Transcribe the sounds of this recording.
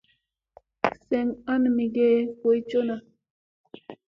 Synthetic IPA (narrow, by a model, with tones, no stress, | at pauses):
sɛ˨ŋa˦nmi˨ɡe˦ko˨jt͡ʃo˦na˨